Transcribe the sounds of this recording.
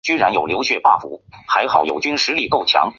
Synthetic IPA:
t͡ɕy˥nɻa˧˥njo˨˩ljo˧˥ʊɕɥɛ˥˧pa̰˥˩fṵ˧˥xa˧˥ɪxɑ˨˩ʊjo̰˨˩ʊt͡ɕy˥nʂɻ̩˧˥li˥˩ko˥˩ʊt͡ɕʰjɑ̰˧˥ŋ

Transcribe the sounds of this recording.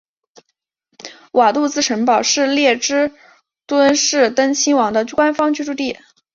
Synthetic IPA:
wʔa˨˩t̪u˥˧t͡sɹ̩˥˩ʈ͡ʂʰə˧˥ŋpɑ˨˩ʊʂɻ̩˥˧ljɛ˥˩ʈ͡ʂɻ̩˥ | t̪wə˥nʂɻ̩˥˩t̪ə˥ŋt͡ɕʰi˥ŋwɑ˧˥ŋd̪ə˧kwa˥nfɑ˥ŋt͡ɕy˥˧ʈ͡ʂu˥˧t̪i˥˩

